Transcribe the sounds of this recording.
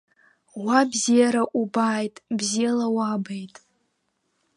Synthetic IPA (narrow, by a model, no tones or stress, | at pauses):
wabzijaɾaʔubaːjtʼbzijalawabejtʼ